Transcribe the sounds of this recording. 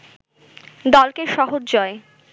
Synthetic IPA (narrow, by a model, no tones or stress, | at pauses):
d̪ɔlkeʃɔɦoɾd͡ʑɔe